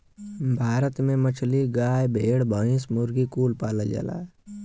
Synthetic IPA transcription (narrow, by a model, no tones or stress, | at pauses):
bʱaːɾət̪mẽmət͡ʃʰliɡaːjbʱeːɽbʱəĩsmʊɾɡikuːlpaːləd͡ʒa̰la̰ː